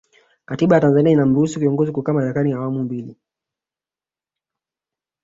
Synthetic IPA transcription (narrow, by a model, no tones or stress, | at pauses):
katiɓajatanzaniainam̩ɾuhusukiɔŋɡɔzikukamaɾɛkaniawamumbili